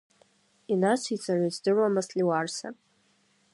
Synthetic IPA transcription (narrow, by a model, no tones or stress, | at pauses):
inat͡ʃʷʰit͡sʼaʕʷazdɨramasliwarsa̰